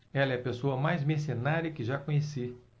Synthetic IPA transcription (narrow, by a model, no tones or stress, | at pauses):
ɛlɐɛɐpesoɐmajzmes̬onaɾɐkɪʒakõɲesi